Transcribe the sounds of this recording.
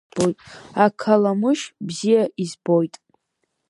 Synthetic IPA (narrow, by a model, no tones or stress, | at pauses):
bojtʼakʰalamɨʃbzijaʔizbo̞jtʼ